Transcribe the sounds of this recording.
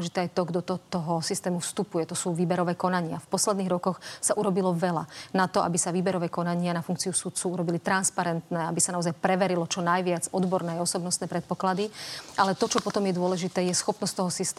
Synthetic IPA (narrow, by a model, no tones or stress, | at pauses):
ʒit̪ɛajt̪ɔɡd̪ɔt̪ɔt̪ɔɦɔsist̪ɛːmufst̪upujɛt̪ɔsuːʋiːbɛɾɔʋɛːkɔnaɲɪafpɔslɛd̪niːɣɾɔkɔxsaʔuɾɔbilɔʋɛlanat̪ɔʔa̰bisaʋiːbɛɾɔʋɛːkɔnaɲɪanafuŋkt͡siusut̪t͡suːuɾɔbilit̪ɾanspaɾɛnt̪nɛːabisanaɔzajpɾɛʋɛɾilɔt͡ʃɔnajʋɪad͡zɔd̪bɔɾnɛːaɔsɔbnɔst̪nɛːpɾɛt̪̚pɔklad̪iʔalɛt̪ɔt͡ʃɔpɔt̪ɔmjɛd̪ʊɔlɛʒit̪ɛːjɛsxɔpnɔst̪t̪ɔɦɔsist̪